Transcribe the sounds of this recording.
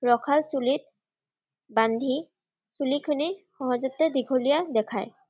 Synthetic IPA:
ɹɔkʰalsulit̪̚ | band̪ʱi | sulikʰɔnixɔɦozɔt̪ːed̪iɡʱolijad̪ɛkʰaj

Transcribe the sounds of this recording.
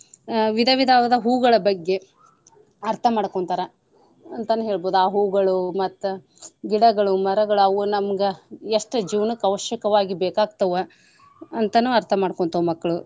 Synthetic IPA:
ʋid̪ʱɐʋid̪ʱaːʋɐd̪ɐɦuːɡɐɭɐbɐɡːe̞ | ɐɾt̪ʰɐmaːɽkoɳt̪ɐɾɐ | ɐnt̪ɐnːuɦe̞ːɭboːd̪uaːɦuːɡɐɭumɐt̪ːu | ɡiɽɐɡɐɭumɐɾɐɡɐɭuɐʋunɐmɡeeʂʈɐd͡ʒiːʋnukɐʋɐʃjɐkɐʋaːɡibeːkaːɡ̚t̪ɐʋɐ | ɐnt̪ɐnuːɐɾt̪ʰɐmaːɽkoɳt̪ɐʋɐmɐkːɐɭu

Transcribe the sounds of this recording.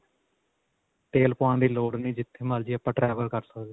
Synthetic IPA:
t̪eːlpoãːd̪iːloːɽnĩːd͡ʒɪt̪ʰːeːməːld͡ʒiːəpːãːʈɾɛːʋəɾkəɾsəkd̪eː

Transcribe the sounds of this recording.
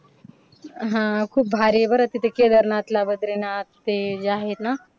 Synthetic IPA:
ɦãkʰuːp̚bʱaɾebəɾət̪it̪eked̪əɾnat̪labəd̪ɾenat̪ːed͡ʒaːɦet̪na

